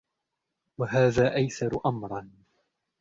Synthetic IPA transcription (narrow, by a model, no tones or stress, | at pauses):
waɦaːðaːʔajθɑɾˤʊʔamɾˤɑn